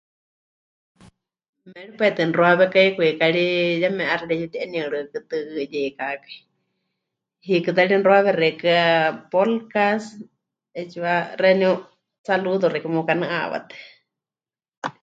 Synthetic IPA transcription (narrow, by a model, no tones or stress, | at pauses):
mɛɺipaɛt̪ɨnroaβɛkaikuikaɺijamɛ̃ʔaraɺɛt͡ʃut̪iʔɛnĩɨɺɨkɨt̪ɨʔɨjɛkakḁi | hikɨt̪aɺinroaβɛrɛkɨapolkas | ɛt͡ʃuarɛnĩu | saluðoɾɛkɨmukanaʔa̰βa̰t̪ɛ̥